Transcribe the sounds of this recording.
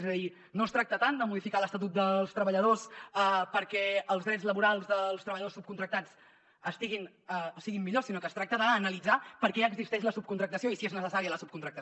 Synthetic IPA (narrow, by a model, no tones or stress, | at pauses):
ezəði | nost̪ɾak̚t̪ət̪and̪əmuðifikaləst̪ət̪̬ut̪̚d̪əlˠst̪ɾəβəʎəð̞osəpəɾkɛəlˠzðɾɛd͡zləβuɾalˠzðəlˠst̪ɾəβəʎəðosup̚kunt̪ɾək̚t̪at͡s | əst̪iɣin | osiɣimːiʎosinokəst̪ɾak̚t̪əðəːnəlid͡zapəɾkɛəɡzist̪ɛʃləsup̚kunt̪ɾək̚t̪əsioisieznəsəsaɾiələsup̚kunt̪ɾək̚t̪ə